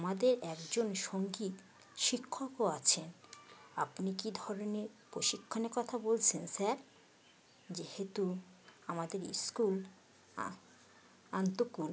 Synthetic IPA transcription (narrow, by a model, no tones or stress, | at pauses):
amad̪eɾɛkd͡ʑonʃoŋɡit̪ | ʃikʰːokoat͡ɕʰenapnikid̪ʱɔɾoneɾpɾoʃikʰːoneɾkɔt̪ʰabolt͡ɕʰensɛɾ | d͡ʑehet̪uamad̪eɾḭskul | ant̪okul